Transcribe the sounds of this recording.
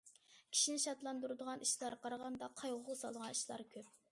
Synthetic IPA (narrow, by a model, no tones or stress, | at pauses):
kʲʰi̥ʃinɪʃɑt̪lˠɑnd̪uɾɨd̪əʁɑnʔiʃlˠɑɾqʰɑɾɑʁɑnd̪ɑqʰɑjʁʊʁɑsɑ̰lˠʁɑniʃlˠɑ̰ɾkʲʰøp̚